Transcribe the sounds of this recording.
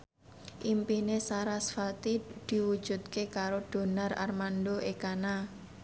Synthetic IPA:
ʔimpinesaɾasfat̪id̪̥i̤wud̥d͡ʒ̥ṳt̪̚kekaɾod̪̥o̤nara̰rmandoekana

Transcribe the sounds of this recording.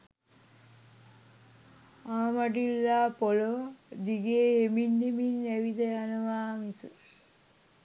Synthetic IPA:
aːmaʈilːapolod̪iɡeːeminːeminːɛʋid̪eanuʋaːmisu

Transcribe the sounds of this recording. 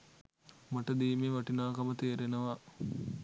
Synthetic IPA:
maʈəd̪iːmeʋaʈinaːkɐmət̪eːɾenəʋa

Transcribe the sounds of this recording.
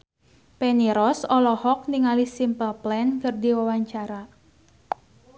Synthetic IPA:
peniɾɔsɔlɔhɔk̚niŋalisimpəlplɛnkərdiwawaɲt͡ʃaɾa

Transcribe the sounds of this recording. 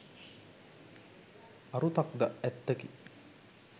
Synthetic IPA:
ɐɾut̪ak̚d̪aɛt̪ːəki

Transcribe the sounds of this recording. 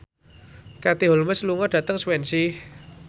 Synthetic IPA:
kat̪iɦolməsluŋɔɖ̥ä̤t̪əŋswɛnsih

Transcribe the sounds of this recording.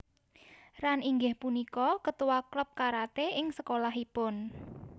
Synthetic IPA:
raniŋɡɪhpunikɔkət̪uwakləp̚kaɾat̪eʔɪŋsəkolaɦipʊn

